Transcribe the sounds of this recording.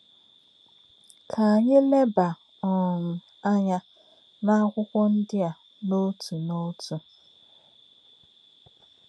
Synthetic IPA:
kʰa˨a˨ɲɪ˦le˦ba˨ | ɔ˨m̩˨ | a˦ɲa˦ | na˦kʷʊ˦kʷɔ˦n̩˦dɪ˦a˨ | no˦tʰu˨no˦tu˨

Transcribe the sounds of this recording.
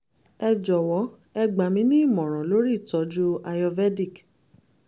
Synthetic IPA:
ɛ˧d͡ʒɔ˨wɔ˨˦ | ɛ˧ɡ͡ba˨mĩ˦nĩ˦i˦˨mɔ̃˨ɾ̃ɔ̃˨lo˨˦ɾi˦˨tɔ˨˦d͡ʒu˦a˧jɔ˧vɛ˦di˦˨k

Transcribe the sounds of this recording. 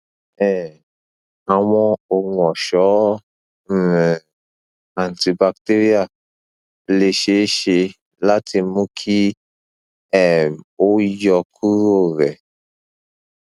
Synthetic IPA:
ɛ˨ | a˨w̃ɔ̃˧o˨ŋũ˧ɔ˨ʃɔ˨˦˨ | a˨n˨ti˧ba˧k̚te˦ɾi˦a˦˨ | le˧ʃe˨˦ʃe˧ | la˦tʰi˧mũ˦kʰi˦ | ɛ˦˨mo˦jɔ˧kʰu˦ɾo˦˨ɾɛ˨

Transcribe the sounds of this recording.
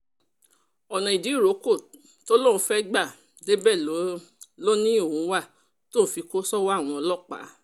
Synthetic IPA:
ɔ˨nɔ̃˨i˨di˨˦i˦˨ɾo˨˦ko˦˨ | to˦lo˦ɾũ˧fɛ˦ɡ͡ba˦˨ | de˦bɛ˦˨lo˨˦lo˦nĩ˦o˨ũ˨˦wa˦˨ | tõ˦˨˦fi˧ko˦sɔ˦wa˦˨w̃ɔ̃˧ɔ˧lɔ˦˨k͡pa̰˨˦

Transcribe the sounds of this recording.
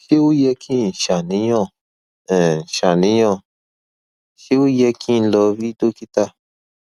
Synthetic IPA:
ʃi˦wu˦jɛ˧kʰĩ˦˨n̩˨ʃa˨nĩ˨˦jɔ̃˦˧˨ | ɛ˨n̩˨ʃa˨nĩ˨˦jɔ̃˦˧˨ | ʃi˦wu˦jɛ˧kʰĩ˦˧lɔ˧vi˦do˦ki˦ta˦˨

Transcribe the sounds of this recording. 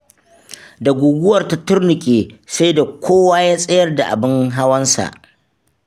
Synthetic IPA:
da˨ɡʷʊː˨ɡʷʊ˦wɐ˨rta˨tʊ˦rnʊ˨kʲʼeː˨sa˦jda˨kʷʰoː˦waː˦jaː˦sʼɐ˦jɐ˦rda˨ʔa̰˨bɪ˦ŋɦa˦wɐ˦nsa̰˨ʔ

